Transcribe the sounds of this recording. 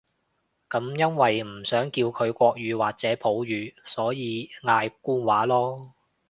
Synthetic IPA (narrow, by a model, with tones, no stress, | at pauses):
kɐ˨˧˥mjɐ˥nwɐ˨jm̩˨˩sœː˨˥ŋkiː˧wkʰɵ˨˧ɥkʷɔː˧k̚ɥyː˨˧waː˨˩k̚t͡sɛː˨˥pʰo˨˥wjyː˨˧sɔː˨˥jiː˨˧ŋaː˧jkuː˥nwaː˨˥lɔː˥